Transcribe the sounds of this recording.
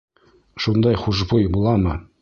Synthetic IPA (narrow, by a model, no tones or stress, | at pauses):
ʃund̪ɑjχuʒbujbulˠɑmɤ